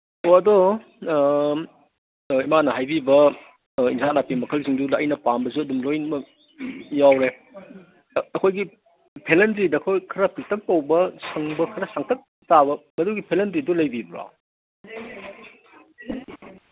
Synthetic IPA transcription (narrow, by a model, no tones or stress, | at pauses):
oɐdo | imanɐɦajbibɐ | insanapimɐkʰɐlsiŋdudːjnɐpambɐs̬uɐdumlojnmɐ | jawɾe | ɐkʰojɡi | pʰelentɾidɐkʰojkʰɐɾɐpʰik̚tʰɐk̚tɐwbɐsɐŋbɐkʰɐɾɐsaŋtʰɐk̚ | tabɐmɐduɡipʰelendɾidulɐjbibɐɾa̰